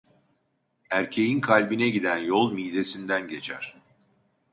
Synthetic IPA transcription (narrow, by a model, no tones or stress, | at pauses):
æɾcʰe̞jinkʰalʲbinɛɟid̪ænjolˠmid̪e̞sind̪ænɟe̞t͡ʃʰæɾ̥